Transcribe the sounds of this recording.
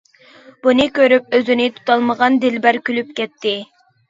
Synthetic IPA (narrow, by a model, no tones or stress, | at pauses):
b̥unɨkʲøɾyp̚øzynɪt̪ʰu̥t̪ʰɑlˠməʁɑnd̪ɪlbæɾkʲʰylyp̚kʲɛt̪ʰːɪ